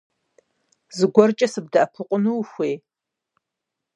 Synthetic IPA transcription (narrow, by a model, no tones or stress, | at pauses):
zɨɡʷɔrt͡ʃʼɐsɨb̚dɐʔɐpʰɨqʷʼʊnuwxʷeː